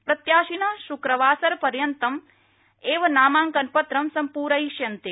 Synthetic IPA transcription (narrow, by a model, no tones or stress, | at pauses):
pɾɐt̪jaːʃinɐʃukɾɐʋaːsɐɾpɐɾjɐnt̪ɐm | eːʋɐnaːmaːŋkɐnpɐt̪ɾɐmsɐmpuːɾɐiʃjɐnt̪e